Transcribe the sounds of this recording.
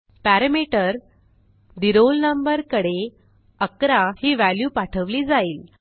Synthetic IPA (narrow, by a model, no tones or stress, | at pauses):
pæɾəmiʈəɾ | d̪iɾolnəmbəɾkəɽe | əkɾahiːʋæljuːpaʈʰəʋliːd͡zaiːl